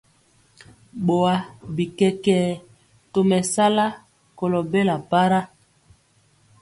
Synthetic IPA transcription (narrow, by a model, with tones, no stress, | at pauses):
ɓo˨a˨bi˨kɛ˨kɛː˨˦ | to˨mɛ˨sa˦la˦ | ko˨lo˨be˦la˨pa˦ɾa˦